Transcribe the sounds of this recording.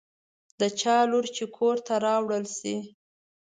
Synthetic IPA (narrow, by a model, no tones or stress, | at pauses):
d̪ət͡ʃɑluɾt͡ʃekʰoɾt̪aɾɑwɽəlsi